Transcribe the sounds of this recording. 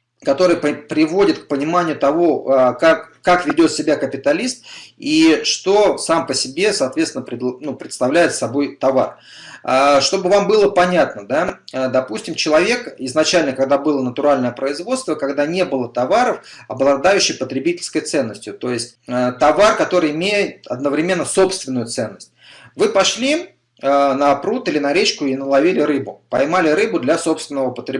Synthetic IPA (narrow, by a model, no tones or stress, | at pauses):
kɐt̪o̞ɾɨjpəpɾʲɪvo̞dʲɪt̪k̚pənʲɪmanʲɪjʊt̪ɐvoəkakːakvʲɪdʲo̞t̪sʲɪbʲakəpʲɪt̪ɐlʲist̪iʂt̪o̞sampəsʲɪbʲe̞sɐːt̪vʲet̪sɪnəpɾʲɪd̪nupɾʲɪt̪st̪ɐvlʲæjɪt̪sɐbo̞jt̪ɐvar | əʂt̪o̞bɨvambɨlˠəpɐnʲat̪nəd̪ad̪ɐpusʲtʲɪmt͡ɕɪlˠɐvʲe̞kɪznɐt͡ɕælʲnəkɐɡd̪abɨlˠənət̪ʊɾalʲnəjəpɾəɪzvo̞t̪st̪vəkɐɡd̪anʲe̞bɨlˠət̪ɐvaɾəfɐblˠɐd̪ajʉɕːɪjpət̪ɾʲɪbʲitʲɪlʲskəjt̪sɛnːəsʲtʲjʊt̪o̞jɪsʲtʲət̪ɐvarkɐt̪o̞ɾɨjɪmʲejɪt̪ɐ̰d̪̚nəvɾʲɪmʲe̞nːəso̞pst̪vʲɪnːʊjʊt̪sɛnːəsʲtʲvɨpɐʂlʲi | nɐpɾut̪ilʲɪnɐɾʲet͡ɕkʊinəlˠɐvʲilʲɪɾɨbʊpɐjmalʲɪɾɨbʊd̪lʲaso̞pst̪vʲɪnːəvəpət̪ɾʲɪ